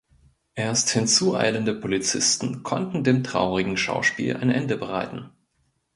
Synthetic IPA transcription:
ʔeːɐsthɪnt͡suːʔa̰ɪləndəpʰolit͡sɪstn̩kʰɔ̰ntn̩deːmtʁ̥a̰ʊʁɪɡŋ̩ʃa̰ʊʃpḭːlʔa̰ɪnʔɛndəbəʁa̰ɪtn̩

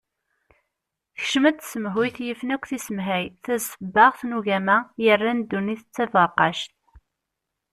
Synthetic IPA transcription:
θə̥çʃəmæd̪səməɦwiθjəfnækʷːθisəmɦæjθæzəbːəʁθnuʝæmæjərˤːænd̪ːuniθət͡sːævəɾqɑʃt̪

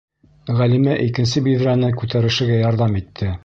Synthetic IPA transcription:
ʁælimæʔikɘ̆nsɘbiðɾænɘkʉt̪æɾɘ̆ʃɘ̆ɡæjɑɾðɑmit̪ʰːɘ

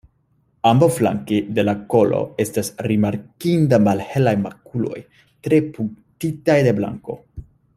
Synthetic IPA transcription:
ambawfla̰ŋkid̪e̞lako̞lo̞̰e̞stasɾimaɾkind̪amalhe̞lajmakulo̞̰j | t̪ɾepuŋkt̪it̪ajd̪e̞bla̰ŋko̞̰

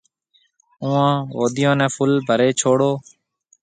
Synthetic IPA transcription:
ũːãːʋoːd̪ɪjãːnɛ̃ːpʰʊlbʱəɾeːt͡ʃʰoːɽoː

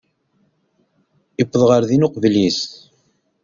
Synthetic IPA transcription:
ipːəðˤʁəɾðinʊqvlis

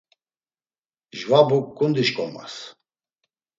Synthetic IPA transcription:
ʒvabukːʼund̪iʃkʼɔma̰s

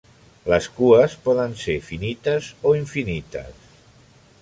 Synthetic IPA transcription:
ləskuəspɔðənseɾfinit̪əzoiɱfinit̪ə̰s

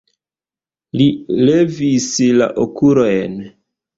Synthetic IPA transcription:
lile̞visla̰ʔokuɾojn

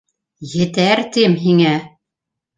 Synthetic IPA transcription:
jɘ̆t̪æɾt̪imɦiŋæ

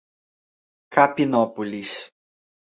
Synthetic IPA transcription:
kapinopulis

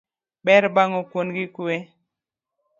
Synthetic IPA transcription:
bɛɾbaŋɔkwonɡɪkʊe

